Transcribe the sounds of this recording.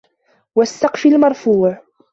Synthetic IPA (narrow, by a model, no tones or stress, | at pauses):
wasːɑqfilmɑɾˤfuːʕ